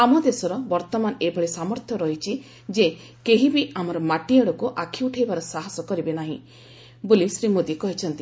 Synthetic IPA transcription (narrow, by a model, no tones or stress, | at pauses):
amɔd̪esɔɾɔbɔɾt̪ɔmanɔebʱɔɭesamɔɾt̪ʰjɔɾɔɦit͡ʃʰi | d͡ʒe | keɦibiamɔɾɔmaʈiaɽɔkuʔakʰiuʈʰejbaɾɔsaɦɔsɔkɔɾibenaɦḭ̃ | bolisɾimod̪ikɔɦit͡ʃʰɔnt̪i